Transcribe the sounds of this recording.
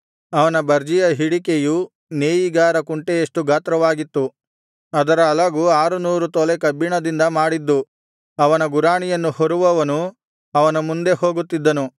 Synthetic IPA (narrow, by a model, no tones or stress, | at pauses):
ɐʋɐnɐbɐɾd͡ʒijɐɦiɽikeju | neːjiɡaːɾɐkuɳʈejeʂʈuɡʱaːt̪ɾɐʋaːɡit̪ːu | ɐd̪ɐɾɐːlɐɡuːaːɾunuːɾut̪ɔlekɐbːiɳɐd̪ind̪ɐmaːɽid̪ːu | ɐʋɐnɐɡuɾaːɳijɐnːuhoɾuʋɐʋɐnu | ɐʋɐnɐmund̪e̞ho̞ːɡut̪ːid̪ːɐnu